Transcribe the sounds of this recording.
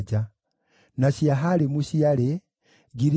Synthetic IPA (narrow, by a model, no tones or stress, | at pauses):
d͡ʒa | naɕiaɦalemuɕiale | ɡiɾi